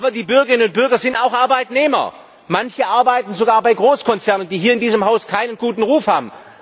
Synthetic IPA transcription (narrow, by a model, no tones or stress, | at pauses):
ʔaːbɐdiːbʏɐɡəʁɪnənʊnt̚b̥ʏɐɡɐzɪntaʊxʔaɐbaɪtneːmɐ̰ | mançəʔaɐbaɪtn̩zoɡaːɐbaɪɡʁoːskʰɔnt͡sɛɐnʊntd̥iːɦiːɐɪndiːzəmhaʊskʰaɪnənɡ̥uːtn̩ʁuːfhaːbm̩